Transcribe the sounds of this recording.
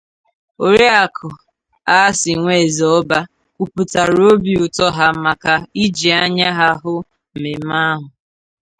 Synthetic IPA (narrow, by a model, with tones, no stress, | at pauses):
o˨ɾi˦a˨kʰʊ˨ | a˦sɪ˨ŋʷe˦˨zɔ˦ba˦ | ku˨pu˨ta˨ɾo˦bi˨ʊ˨tɔ˦ɦa˦ma˨ka˨i˦d͡ʒi˨a˦ɲa˦ɦa˦ɦʊ˦ | m̩˨me˨˦ma˦ɦʊ˨